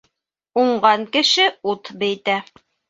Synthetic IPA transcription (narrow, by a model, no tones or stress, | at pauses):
uɴɢɑŋkɘ̆ʃɘut̪bæjt̪æ